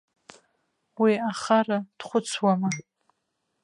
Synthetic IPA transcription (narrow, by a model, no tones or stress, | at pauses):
wiaχarad̥χʷʊt͡sʰwama